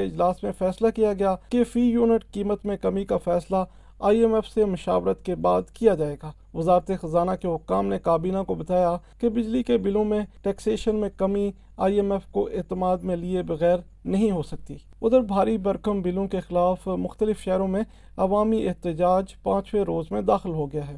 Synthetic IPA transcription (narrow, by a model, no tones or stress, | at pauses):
eɪd͡ʒlaːsmẽfɛːslakijaɡɐjakefiːjuːnɪʈkiːmət̪mẽkɐmikafɛːsla | aːiɛmɛfsemʊʃaːʋɾət̪kebaːd̪kijad͡ʒaːeːɡaː | ʋɐzaːɾt̪exɐzaːnakeɦʊkːaːmnekaːbiːnakobɐt̪aːjakebɪd͡ʒlikebɪlõmẽʈɛːkseːʃənmẽkɐmi | a̰ːiɛmɛfkoʔeːt̪əmaːd̪mẽliebɐɣɛːɾ | nɐɦĩɦosɐk̚t̪iː | ʊd̪əɾbʱaːɾibɐɾkəmbɪlõkexɪlaːfmʊxt̪əlɪfʃɛːɾõmẽ | ɐʋaːmieɦt̪ɪd͡ʒaːd͡ʒpãːt͡ʃʋeɾoːzmẽd̪aːxɪlɦoɡɐjaɦɛː